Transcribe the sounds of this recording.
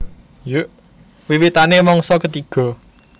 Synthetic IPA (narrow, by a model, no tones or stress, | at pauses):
juʔ | wiwit̪anemɔŋsɔkət̪iɡ̥ɔ̤